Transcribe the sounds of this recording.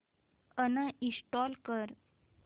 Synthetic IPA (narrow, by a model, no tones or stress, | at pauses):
ənəisʈɔlkəɾ